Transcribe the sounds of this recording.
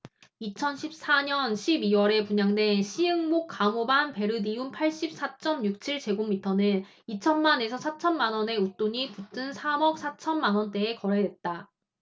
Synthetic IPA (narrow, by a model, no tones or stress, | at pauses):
it͡ɕʰʌnɕʰip̚s͈aɲʌnɕʰibiwʌɾe̞puɲaŋdwe̞nɕʰiɯŋmok̚k͈amobanpe̞ɾɯdiumpʰaɭɕ͈ip̚s͈ʰat͡ɕ͈ʌmɲuk̚t͡ɕʰiɭt͡ɕe̞ɡomːitʰʌnɯn | it͡ɕʰʌnmane̞sʰʌsʰat͡ɕʰʌnmanwʌne̞ut͈oɲiput͈ʰɯnsʰamʌk̚sʰat͡ɕʰʌnmanwʌnt͈e̞ːkʌɾe̞dwe̞t̚t͈a